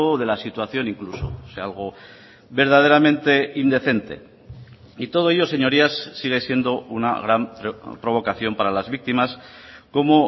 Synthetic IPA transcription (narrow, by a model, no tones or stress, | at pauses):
oðe̞lasit̪waθjo̞niŋkluso̰sealɣ̞o̞ | βe̞ɾð̞að̞e̞ɾamẽ̞nt̪e̞ind̪e̞θe̞nt̪e̞̰ | it̪o̞ð̞o̞eʎo̞se̞ɲo̞ɾiasːiɣ̞esje̞nd̪o̞una̰ɣ̞ɾamppɾo̞β̞o̞kaθjo̞mpaɾalazβik̚t̪imasko̞mo